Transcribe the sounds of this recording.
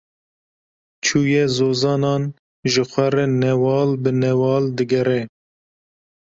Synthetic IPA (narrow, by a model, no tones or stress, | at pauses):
t͡ʃʰuːjɛzoːzɑːnɑːn | ʒəxʷɛɾɛnɛwɑːlbɨnɛwɑːld̪ɨɡɛɾɛ